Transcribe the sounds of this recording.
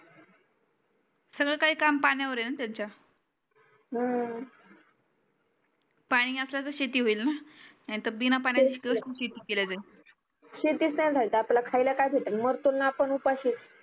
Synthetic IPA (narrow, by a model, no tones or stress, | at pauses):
səɡɭekaɦiːkampaɽ̃jaʋəɾenat̪jaɲt͡ɕa | ɦə | paɽ̃iːəsljat̪əɕet̪iːɦoiːlna | aɽ̃it̪əbinapaɳ̃jat͡ɕiːɕkeəsuɕet̪iːkelad͡zai | ɕet̪iːt͡st̪ajad͡zʱalit̪əaplakʰajlakajbʱeʈənməɾt̪unːaːpəɳupaɕit͡s